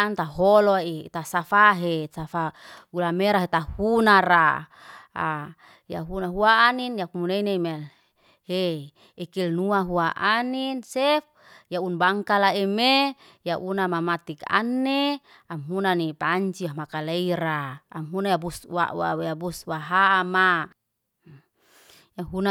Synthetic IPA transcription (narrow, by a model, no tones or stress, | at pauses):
ant̪aɦoloit̪asafaɦesafaɡulameɾaɦet̪ahunaɾa | a | ja̰ɦunaɦuaːninjakumuneineme | he | ekilnuaɦuaʔaninsef | jaunbaŋkalaeme | jaʔunamamat̪ika̰nːe | amɦunanipaɲt͡ʃiamakaleiɾa̰ːmɦunajabuswa̰ʔwa̰weabuswaɦaʔama | jaɦuna